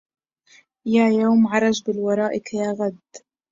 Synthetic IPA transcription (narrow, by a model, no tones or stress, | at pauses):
jaːjawmʕɑɾˤɑd͡ʒbɪlwɑɾˤɑːʔɪkjaːɣad̪